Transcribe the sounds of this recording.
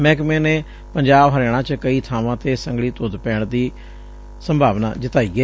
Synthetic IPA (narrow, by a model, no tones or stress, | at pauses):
mɛ̃ːkmẽːneː | pəɲd͡ʒaːbɦəɾeːɽ̃ãːt͡ʃkəiːt̪ʰaːʋãːt̪eːsəŋɡɭiːt̪ʊːd̪pɛːɳd̪iː | səmbʱaːʋna̰ːd͡ʒɪt̪aːiːɛː